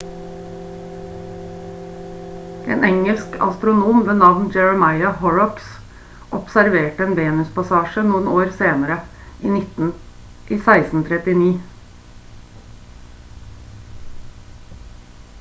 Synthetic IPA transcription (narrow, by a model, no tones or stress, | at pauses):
ʔḛːnʔɛŋəlskɑ̰st̪ɾʊnuːmʋeːnɑʋnd͡ʒɛɹəmɑɪɑhɔɹɔps | ʔɔpsæɾʋeːʈəeːnʋeːnʉspɑsɑːʃənuːənoːɾseːnəɾə | ʔiːnɪt̪n̩ | iːsæɪsn̩t̪ʰɾɛt̪ɪniː